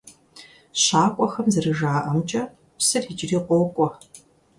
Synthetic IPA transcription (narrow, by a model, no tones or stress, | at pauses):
ɕaːkʷʼɔxɐmzɨrɨʒaːʔɐmt͡ʃʼɐ | psɨrid͡ʒɪriːqʷɔkʷʼɔ